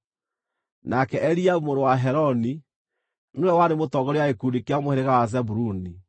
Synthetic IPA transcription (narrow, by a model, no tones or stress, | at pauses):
nakɛʔɛɾiaumoɾowaɦɛɾɔni | noɾɛwaɾemotɔɡɔɾɔjaekudikeamohɛɾeɣawazɛbuɾuni